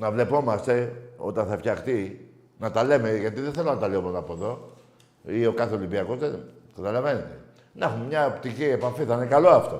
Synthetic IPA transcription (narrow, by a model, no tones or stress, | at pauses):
nɐvle̞po̞mɐst̪e̞o̞̰t̪ɐnθɐfçɐxt̪i | nɐt̪ɐle̞me̞ʝɐt̪iðenθelonɐt̪ɐleomonɐpoðo̞ | io̞kɐθeolimbiɐko̞zðekɐt̪ɐlɐve̞net̪e | nɐxummɲɐopt̪icie̞pɐfiθɐinekɐlo̞ɐft̪o̞